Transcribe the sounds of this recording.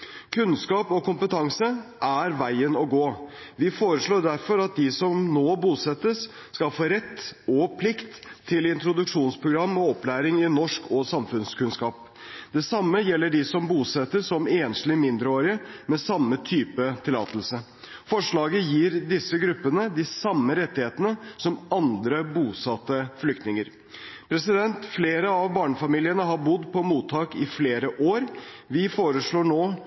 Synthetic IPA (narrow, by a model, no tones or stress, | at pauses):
kʰʉnskɑːpɔkʊmpət̪ʰɑŋsəʔæɾʋæɪənɔɡoːʋɪfoːɾəʂɭoːɖ̪æɾfɔɾɑt̪̚d̪ɪsɔmnoːbuːsɛt̪ːəsː | kɑlfoːɾɛt̪ːɔpʰlɪkt̪ʰːɪlɪnt̪ɾʊd̪ʉkʂuːnspʰɾʊɡɾɑmːɔɔplæːɾɪŋɪnɔʂkʰɔːsɑmfʉnskʉnskɑːp̚ | d̪̥ɛsɑmːəjɛlːəɖɪsɔmbuːsɛt̪ːəsɔmeːnʂlɪmɪnd̪ɾəoːɾɪəmɛsɑmːət̪ʰyːpət̪ʰɪlɑ̰ːt̪əl̩sə | fɔʂɭɑːɡəjiːɾd̪ɪsːəɡɾʉpːənəd̪ɪsɑmːəɾɛt̪ːɪheːt̪ənəsɔmɑnd̪ɾəbuːsɑt̪ːəflʏk̚t̪nɪŋəɾ | pʰɾɛsɪd̪ɛnt̪fleːɾəɑʋbɑːɳəfɑmiːlɪənəɦɑɾbʊd̪pʰɔmuːt̪ʰːɑːkɪfleːɾəʔoːɾ | ʋɪfoːɾəʂɭoːɳoː